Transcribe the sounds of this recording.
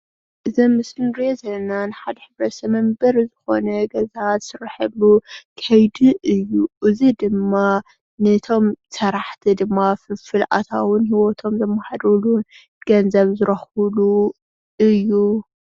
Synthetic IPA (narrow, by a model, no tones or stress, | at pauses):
ʔɨzɐmːɨsɨnɾezɐlːɐnanɨħad̪ɐħɨβɾɐt̪sɐmɐmbɐɾzɨxo̞̰nɐɡɐzazsɨɾħɐlukʰɐjd̪iʔɨjːuʔɨzid̪ɨmːa | nɐt̪ʰo̞msɐɾaħt̪ʰid̪ɨmːafɨfɨlʔa̰t̪ʰa̰wʊnhiwot̪ʰo̞mzɐmːɐħad̪ulun | ɡ̥ɐnzɐβzɨɾɐxulu | ɨjːu